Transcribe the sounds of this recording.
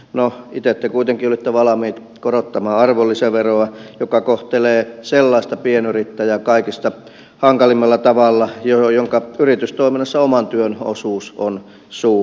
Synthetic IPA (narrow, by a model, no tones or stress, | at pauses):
noit̪et̪ːekuit̪eŋkiolit̪ːeʋɑlɑmiːt̪ | korot̪ːɑmɑːɑrʋolːiseʋeroɑjokɑkoht̪eleːselːɑist̪ɑpienyrit̪ːæjækɑikist̪ɑ | hɑŋkɑlimːɑlːɑt̪ɑʋɑlːɑjojoŋkɑyrit̪yst̪oiminːɑsːɑomɑnt̪yøno̰suːson | suː